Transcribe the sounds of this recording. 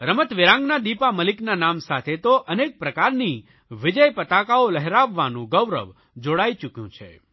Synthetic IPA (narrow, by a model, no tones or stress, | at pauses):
ɾəmət̪ʋɪɾãŋɡnad̪ipaməlɪknanamsat̪ʰet̪oʔənek̚pɾəkaɾni | ʋɪd͡ʒəjpət̪akaoləɦɾaʋːanũɡəʋɾə̰ʋ | d͡ʒoɽajt͡ʃukjũt͡ʃʰḛ